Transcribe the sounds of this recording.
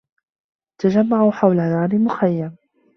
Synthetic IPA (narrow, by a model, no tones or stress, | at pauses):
t̪ad͡ʒamːaʕuħawlaðaːnɪmʊxajːam